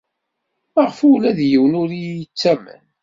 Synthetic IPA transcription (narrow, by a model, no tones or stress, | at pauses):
əʁəfulæðjəwnʊɾiət͡sːæmə̰n